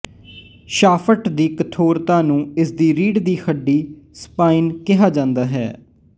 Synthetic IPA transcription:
ʃaːfʰəʈd̪iːkət̪ʰoːɾt̪ãːnũːɪsd̪iːɾiːɖd̪iːxʰəɖːiːspaːiːnkɪɦaːd͡ʒãːnd̪aːɦɛ̰ː

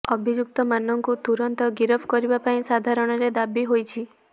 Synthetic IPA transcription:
ɔbʱid͡ʒuk̚t̪ɔmanɔŋkut̪uɾɔnt̪ɔɡiɾɔbʰkɔɾibapaĩsad̪ʱaɾɔɽ̃ɔɾed̪abiɦojt͡ʃʰi

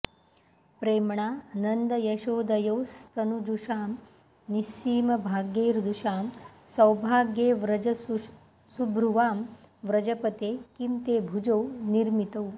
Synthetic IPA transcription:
pɾeːmɳaːnɐnd̪ɐjɐʃoːd̪ɐjoːst̪ʰɐnud͡ʒuʃaːm | nisiːmɐbʱaːɡjeːɾd̪uʃaːmsɐwbʱaːɡjeːʋɾɐd͡ʒɐ | subʱɾuʋaːm | ʋɾɐd͡ʒɐpɐt̪eːkimt̪eːbʱud͡ʒowniɾmit̪ɐw

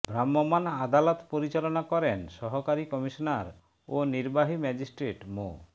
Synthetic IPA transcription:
bʱɾamːɔmanad̪alɔt̪poɾit͡ɕalɔnakɔɾenʃɔɦɔkaɾikɔmiʃɔnaɾ | oniɾbaɦimɛd͡ʑisʈɾeʈmo

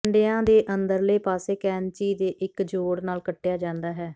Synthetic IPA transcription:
ɳɖejãːd̪eːʔənd̪əɾləiːpaːseːkɛːnt͡ʃiːd̪eːʔɪkd͡ʒoːɽnaːlkəʈːejaːd͡ʒãːnd̪aːɦɛː

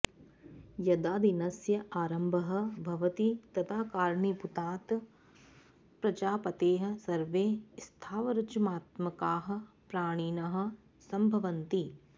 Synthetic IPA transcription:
jɐd̪aːd̪inɐsjɐʔaːɾɐmbʱɐɦɐ̆bʱɐʋɐt̪it̪ɐt̪ʰaːkaːɾɳiput̪aːt̪ | pɾɐt͡ʃaːpɐt̪eːɦɐ̆sɐɾʋeːst̪ʰaːʋɐɾɐt͡ʃumaːt̪mɐkaːɦɐ̆ | pɾaːɽ̃iːnɐɦɐ̆ | sɐmbʱɐʋɐnt̪i

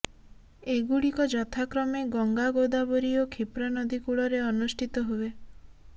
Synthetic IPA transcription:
eɡuɽikɔd͡ʒɔt̪ʰakɾɔmeɡɔŋɡaɡod̪abɔɾiɔkʰipɾanɔd̪ʱikuɭɔɾeɔnusʈʰit̪ɔɦue

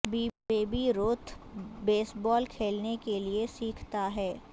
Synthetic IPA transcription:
bieːbiɾoːt̪ʰbeːsbɔːlkʰeːlnekeliesiːkʰt̪aɦɛː

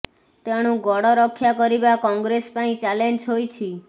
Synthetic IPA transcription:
t̪eɽ̃ũɡɔɽɔɾɔkʰːjakɔɾibakɔŋɡɾespaĩt͡ʃalend͡ʒɦojt͡ʃʰi

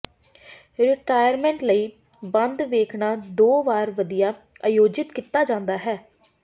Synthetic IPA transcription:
ɾɪʈaːjəɾmɛ̃ːɳʈləiː | bənd̪ʋeːkʰnaːd̪oːʋaːɾʋəd̪ijaː | ajoːd͡ʒɪt̪kit̪aːd͡ʒãːnd̪aːɦɛː

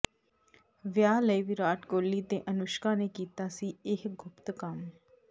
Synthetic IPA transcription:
ʋjaːləiːʋiːɾaːʈkoːlːiːt̪eːʔənʊʃkãːneːkiːt̪aːsiːɪhɡʊpt̪kəm

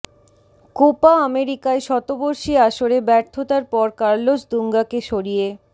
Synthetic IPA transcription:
kopaameɾikaeʃɔt̪oboɾʃiaʃoɾebɛɾt̪ʰot̪aɾpɔɾkaɾlot͡ɕd̪uŋɡakeʃoɾije

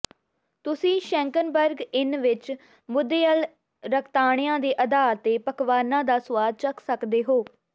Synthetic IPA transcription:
t̪ʊsĩːʃɛ̃ːŋkənbəɾɡɪnʋɪt͡ʃ | mʊd̪ːeːəl | ɾəkʰt̪aːɳ̃ɪjãːd̪eːʔəd̪aːt̪eːpəkʋaːnãːd̪aːsʊwaːd̪̚t͡ʃəksəkd̪eːɦoː

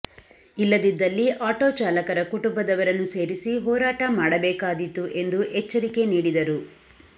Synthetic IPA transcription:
ilːɐd̪id̪ːɐlːiʔaːʈoːt͡ʃaːlɐkɐɾɐkuʈumbɐd̪ɐʋɐɾɐnːuse̞ːɾisiɦɔːɾaːʈɐmaːɽɐbɛːkaːd̪it̪ːuʔe̞nd̪uʔɛt͡ʃːɐɾike̞niːɽid̪ɐɾu

